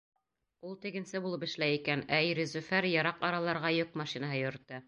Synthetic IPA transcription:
ulˠt̪ɘ̆ɡɘ̆nsɘbulˠɤpɘ̆ʃlæjikænæjɾĕzʉfæɾjɑɾɑqɑɾɑlˠɑɾʁɑjokmɑʃinaɦɤjŏɾ̆t̪ːɤ

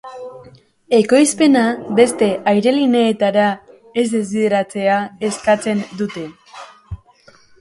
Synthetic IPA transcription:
eko̞jspe̞nabe̞st̪e̞ʔajɾe̞line̞ːt̪aɾa | e̞zðd̪e̞zβiðe̞ɾat͡se̞ae̞skat͡se̞nd̪ut̪e̞

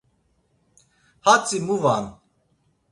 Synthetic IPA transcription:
hat͡sʼimuvan

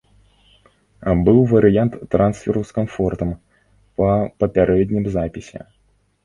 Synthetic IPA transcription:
bɨwvɐɾɨjant̪ːɾʔansfʲɛɾuskanfɔrt̪ɐm | pɐpɐpʲaɾʔɛd̪ʲnʲimzapʲisʲɛ̰

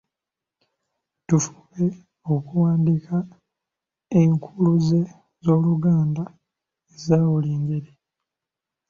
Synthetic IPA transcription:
tufu̥βe̞ | o̞kuwaːndikʰa | eŋkʰuluze̞ | zo̞ːluɡaːnda | ezaːwuliːŋɟe̞ɾi

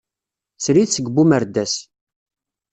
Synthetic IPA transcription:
t͡sɾiθsəɡbuməɾd̪æs

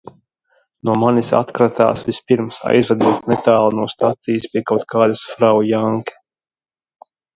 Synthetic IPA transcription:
nuɔmanisa̰t̪kɾat̪a̰ːsvʲispiɾmsa̰jzvɛd̪uɔt̪nɛt̪aːlˠnuɔst̪at̪sijispʲiɛkawt̪̚kʰaːd̪asfɾawjaŋkɛ̥

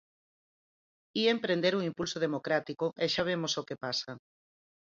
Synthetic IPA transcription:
iempɾẽnd̪eɾuŋimpulsoð̞emokɾat̪ikoʔeʃaβ̞emosokepasa

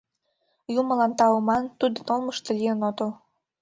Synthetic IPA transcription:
jumə̆lɑnt̪ɑumɑnt̪ud̪ə̆nolməʃt̪ɤ̆lijənot̪əl

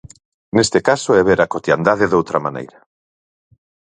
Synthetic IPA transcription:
nest̪ekasoɛβeɾakot̪jand̪aðɪðowt̪ɾɐmanḛjɾɐ

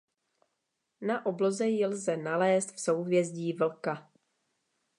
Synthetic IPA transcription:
naʔoblo̞zɛjɪlzɛnalɛːst̪fso̞wvjɛzɟiːvl̩ka

